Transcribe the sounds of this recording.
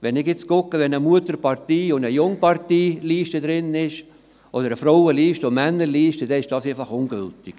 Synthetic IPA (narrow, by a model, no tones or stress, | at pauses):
ʋɛnɪɡɪt͡skʊkːəʋɛnəmuətəɾpɑɾtiːʊndəjʊŋpɑrtiːliːʃtəd̪ɾɪnɪʃ | ʔodəɾəfɾɔʊəliːʃtəomænːəɾliːʃtəd̥ɛɪʃd̥ɑːsefɑχʊnɡ̥ʏ̰ltɪɡ̥